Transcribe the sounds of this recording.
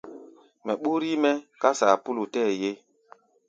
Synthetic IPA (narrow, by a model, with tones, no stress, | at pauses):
mɛ˨ɓu˦ɾi˦mɛ˦ka˦sa˨pu˦lu˨tɛː˦˨je˦